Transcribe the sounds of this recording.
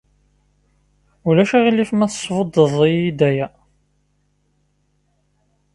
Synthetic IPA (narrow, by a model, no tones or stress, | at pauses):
ulæʃæʁilifmæθə̥sˤvəd̪ˤːəðˤiid̪æjæ